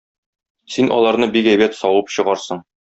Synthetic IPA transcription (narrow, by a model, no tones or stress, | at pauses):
sinʔɒ̰lˠɑɾnɤbikæjbæt̪sɒwɤpɕɤ̆ʁɑɾsɤɴ